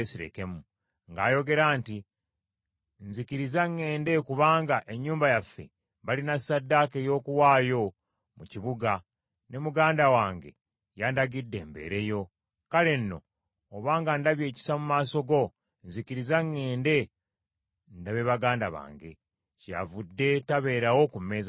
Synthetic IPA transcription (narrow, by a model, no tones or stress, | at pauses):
esiɾe̞̰ke̞mu | ŋɡaːjo̞ɡe̞ɾaːnti | nzikiɾizaŋːe̞ːndekuβaːŋɡaʔe̞ɲːuːmbajafːe̞̰ | βalinasːadːake̞jo̞ːkuwaːjo̞ | muciβuɡa | ne̞muɡaːndawaːŋɡe̞̰ | jandaɡidːe̞̰ːmbḛɾe̞jo̞ | kale̞nːo̞̰ː | βaːŋɡandaβje̞ːci̥samumaːso̞ɡo̞ | nzikiɾizaŋːe̞ːnde̞ | ndaβe̞βaɡaːndaβa̰ːŋɡe̞̰ | ca̰vudːe̞taβe̞ːɾawo̞kumːeːza